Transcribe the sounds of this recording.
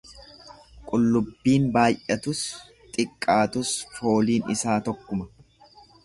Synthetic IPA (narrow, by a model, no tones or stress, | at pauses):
kʼʊlːʊbːiːnbaːjʔɐt̪ʊs | t̪ʼɪkʼːaːt̪ʊsfo̞ːliːnɪsaːt̪ɔkːʊmɐ